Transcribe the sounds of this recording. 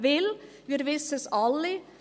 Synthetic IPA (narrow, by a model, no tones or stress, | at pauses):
ʋɪl | ʋɪɾʋɪsəsɑlɪ